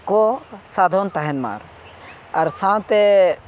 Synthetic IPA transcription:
kosaːd̪ʱoːnt̪ɐɦenma̰ːɾ | ɐɾsãːw̃t̪e

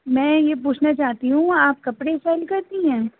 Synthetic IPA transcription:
mɛ̃ːjep̬uːt͡ʃʰnat͡ʃaːɦt̪iɦũaːp̚kɐpɽesɛːlkɐɾt̪iɦɛ̃ː

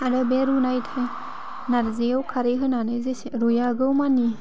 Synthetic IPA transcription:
aɾɯbeɾunajtʰaj | naɾzejawkʰaɾeɦɯnanɯzesɾojaɡɯwmani

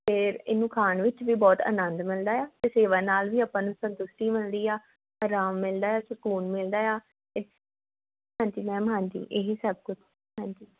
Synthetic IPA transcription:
pʰɪɾɪnːũːkʰaːɳʋɪt͡ʃʋiːbɔːt̪ə̰nənd̪mɪld̪aːjaːt̪eːseːʋãːnaːlʋiːaːpãːnũːsənd̪ʊsʈiːmɪlɾiːaː | aːɾaːmːɪld̪aːjaːsəkuːnmɪld̪aːjaː | ɪ | ɦãːɲd͡ʒiːnɛ̃ːmɦãːɲd͡ʒḭːʔeːɦisəb̚kʊt͡ʃʰ | ɦãːɲd͡ʒiː

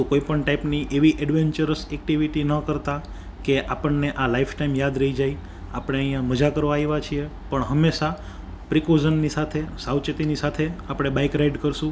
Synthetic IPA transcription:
t̪ukoipəɳʈaipniʔeʋiʔɛɖʋeɲt͡ʃəɾəsɛk̚ʈiʋiʈinəkəɾt̪a | keʔapəɳːeʔalaifʈaimjad̪ɾəɦid͡ʒaij | apɽ̃eəĩjãməd͡ʒakəɾʋaiʋat͡ʃʰiepəɳɦəmːeʃa | pɾikozənːisat̪ʰesawt͡ʃet̪inisat̪ʰeapɽ̃ebaikɾaiɖkəɾʃũ

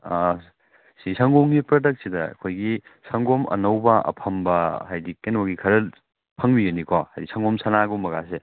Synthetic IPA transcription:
a | sisɐŋɡoŋɡipɾɐdɐk̚t̚sidɐɐ̰kʰojɡisʰɐŋɡomʔɐ̰nɐwbɐɐ̰pʰɐmbɐhajdikːenwaɡikʰɐɾɐ | pʰɐŋmiɡɐnikʰahajdisɐŋɡɔmsʰɐnaɡumːɐɡase

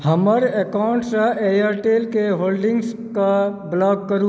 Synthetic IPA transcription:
həməɾekawɳʈsãʔejaɾʈeːlkeɦoːlɖɪ̃ŋɡs | kablɔːɡ̚kəɾu

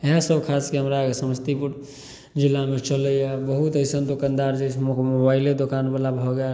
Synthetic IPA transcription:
eɦesəbkʰaskeɦəmɾaɡesəməst̪ipuɾ | d͡ʒilːamet͡ʃələjabəɦut̪əjsənd̪okand̪aɾd͡ʒət͡ʃʰmomobailed̪okanbəlabʱɔɡɛl

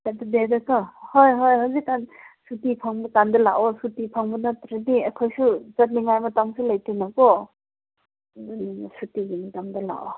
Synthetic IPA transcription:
atdedakahojɦojɦawzikːansutipʰaŋbukandɐla̰ʔɔsutipʰaŋbunatɾeniakʰojsuzɐt̚niŋajmataŋsulajtinakɔ | sutiɡimataŋdɐla̰ʔɔ

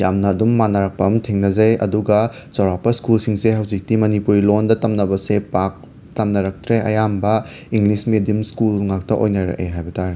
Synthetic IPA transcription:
jamnɐːdumːanɐɾɐk̚pɐmtʰiŋnɐzɐjɐ̰duɡɐ | sɐwɾapɐskulsiŋseɦɐwzik̚timɐnipuɾilondɐtɐmnɐbɐsepak̚ | tɐmnɐɾɐk̚tɾeʔɐ̰jambɐ | iŋlismedimskulŋak̚tɐʔojnɐɾɐ̰ʔḛɦajbɐtʰaɾe

